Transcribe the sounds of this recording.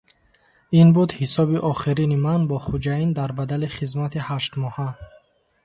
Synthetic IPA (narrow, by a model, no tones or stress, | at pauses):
inbud̪hisɔbiʔɔχiɾinimanbɔχud͡ʒaind̪aɾbad̪aliχizmat̪ʰihaʃt̪mɔha